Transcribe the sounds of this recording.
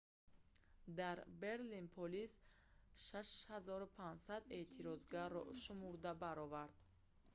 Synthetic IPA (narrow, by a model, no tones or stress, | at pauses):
d̪aɾbe̞ɾlinpʰɔlis | ʃaʃhazɔɾupʰand͡ʒsad̪e̞t̪ʰiɾɔzɡaɾɔ̰ʃumuɾd̪abaɾɔvaɾd̪̚